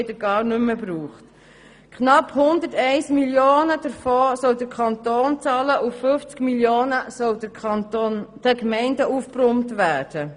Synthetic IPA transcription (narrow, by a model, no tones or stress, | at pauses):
ɪdəɡ̥ɑːɾnʏmːəbɾuːχt | kχnɑphʊnd̪ətɛɪsmiljoːnəd̥əɾfɔːsɔwdəɾkʰɑnt̪oːnt͡sɑːləʔufføft͡skmiljoːnəsɔlond̥əkmɛɪndəʔuːfprʊmtʋæːd̥ə